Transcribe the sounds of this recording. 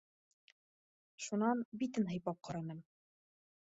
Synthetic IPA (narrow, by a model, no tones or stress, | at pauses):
ʃunɑnbit̪ɘnɦɤ̆jpɑp̚qʰɑɾɑnɤm